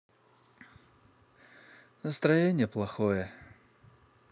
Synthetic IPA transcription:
nəst̪ɾɐjenʲɪjəplˠɐxojə

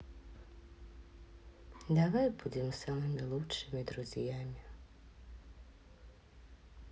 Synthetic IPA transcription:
d̪avajbud̪ʲɛmsamɨmʲilˠutʂɪmʲid̪ɾuzʲjamʲi

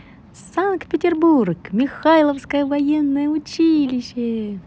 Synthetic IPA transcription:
sank̚t̪̚pʲɪtʲɪrburkmʲɪxajlˠəfskəjəvɐjenːəjəʊt͡ɕilʲɪɕːə

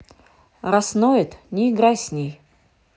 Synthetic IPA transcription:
ɾasnojɛt̪nʲɪɪɡɾajsʲnʲej

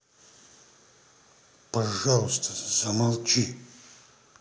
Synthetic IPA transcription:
pɐʐalˠst̪ə̥zɐmɐlˠt͡ʃi

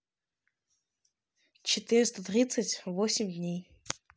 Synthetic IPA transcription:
t͡ɕɪt̪ɨɾʲɪst̪ot̪ɾʲit̪sɨtʲvosʲɪmʲdʲnʲej

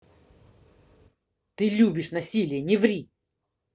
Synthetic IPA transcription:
t̪ɨlʲubʲɪʂnɐsʲilʲɪjənʲɪvɾʲi

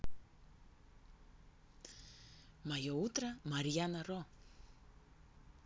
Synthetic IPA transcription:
majout̪ɾamaɾianaɾo

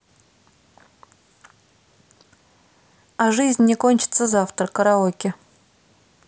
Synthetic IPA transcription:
aʐɨzʲnʲːɪkonʲt͡ɕɪ̥t̪səzaft̪ɾəkːəɾaokʲɪ

